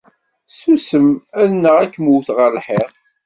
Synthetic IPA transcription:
susəmæðnəʁækːmuθʁəɾlħeʁ

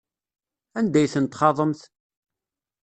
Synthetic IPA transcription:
ænd̪æjθənt̪χɑðˤəmθ

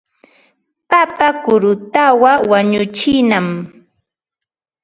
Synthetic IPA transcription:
papakʊɾʊt̪awawaɲʊt͡ʃɪnam

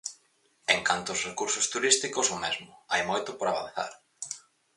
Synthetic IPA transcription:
eŋkant̪oːsrekuɾsʊst̪uɾist̪ikʊsʊmɛzmʊajmojt̪ʊpoɾaβã̰nθa̰ɾ

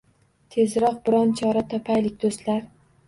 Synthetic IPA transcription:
t̪ʰe̞zɾɒq̚bɪɾɒnt͡ʃʰɒɾat̪ʰɒpʰajlɪk̚ʲd̪̥ost̪laɾ

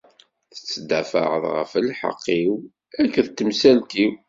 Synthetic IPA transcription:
θə̥t͡sːd̪æfə̰ʁəðʁə̰fəlħə̰qːiw | ækːəðt̪ːəmsælt̪iw

